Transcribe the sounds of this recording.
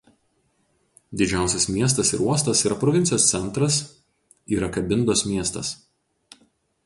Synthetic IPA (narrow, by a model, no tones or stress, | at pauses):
d̪ʲɪd͡ʒʲæˑʊsʲɛsmʲiɛst̪ɐsɪ̰ɾuɔst̪ɐsiːɾɐpɾɔʋʲɪnʲtsʲɪjoːssʲɛnˑt̪ɾɐs | iːɾɐkɐbʲɪnd̪oːsmʲiɛst̪ɐ̰s